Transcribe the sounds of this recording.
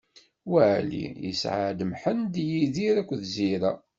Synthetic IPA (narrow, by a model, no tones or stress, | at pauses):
wæʕlḭjə̰sʕa̰d̪əmħənd̪jiðiɾækʷːðziɾa